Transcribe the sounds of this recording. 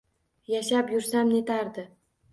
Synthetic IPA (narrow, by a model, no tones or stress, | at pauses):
jaʃapjʊɾsamne̞t̪ʰaɾd̪ɪ